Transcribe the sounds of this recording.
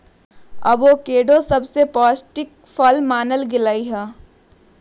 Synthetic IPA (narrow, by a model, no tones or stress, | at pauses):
ɐ̰boːkeːɖosɐbsepɔːsʈɪk | fʰɔːlmaːnəlɡɪlaːiɦɛː